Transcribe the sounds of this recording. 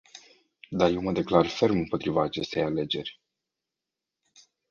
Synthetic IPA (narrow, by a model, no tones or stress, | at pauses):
d̪aje̞wməd̪e̞klarfe̞rmɨmpo̞t̪ɾivaːt͡ʃe̞st̪e̞jale̞d͡ʒe̞rʲ